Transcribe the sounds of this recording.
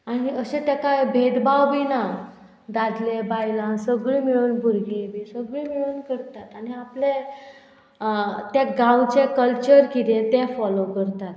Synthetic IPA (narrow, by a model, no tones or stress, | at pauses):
aɽ̃iəɕet̪jakajbʱeʈ̪bawbina | d̪ad̪lebajlãsəɡɭimiɭuːnbʱuɾɡebisəɡɭimiɭuːnkəɾt̪at̪aɽ̃iaple | t̪jaɡãwt͡ɕekəlt͡ɕəɾkit̪ẽt̪ɛ̃fɔlokəɾt̪at̪